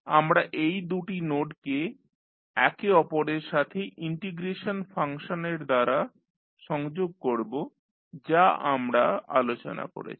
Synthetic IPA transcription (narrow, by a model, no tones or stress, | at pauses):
amɾaʔejd̪uʈinoʈke | ɛkeɔpoɾeɾʃat̪ʰeʔiɳʈiɡɾeʃonfaŋʃoneɾd̪aɾa | ʃɔŋd͡ʑoɡ̚koɾbo | d͡ʑaʔamɾaa̰lot͡ɕo̰na̰ko̰ɾḛt͡ɕʰi̥